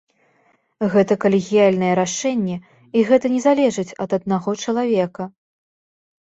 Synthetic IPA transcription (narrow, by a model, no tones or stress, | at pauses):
ɣɛt̪ɐkɐlʲɪɣʲijalʲnɐjɛɾaʂɛnʲːɛ | iɣɛt̪ɐnʲɛzalʲɛʐɨt͡sʲɐ̰d̪ɐd̪̚naɣɔt͡ʂɐlˠavʲɛkɐ